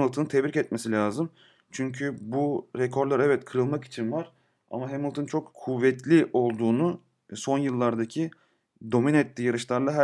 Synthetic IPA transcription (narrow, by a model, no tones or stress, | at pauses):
lˠt̪ʰɯnt̪ʰɛvɾicɛt̪̚mesilʲaːzɯm | t͡ʃʰyɲcʰybuɾɛkʰo̞ɾlˠaɾɛvɛt̪kʰɯɾɯlˠmaki̥t͡ʃʰinvaɾ̥ | a̰maɦemilˠt̪ʰɯnt͡ʃʰo̞kːʰuvːɛt̪lʲiʔo̞lˠd̪uːnu | so̞njɯlˠːaɾd̪acʰi | d̪o̞minɛt̪lʲijaɾɯʃlˠaɾlˠaɦæ